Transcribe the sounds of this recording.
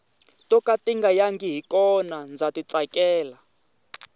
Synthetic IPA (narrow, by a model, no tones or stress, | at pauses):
tʼɔkatiŋɡajaŋɡiɦikɔnand͡zatit͡sakɛːla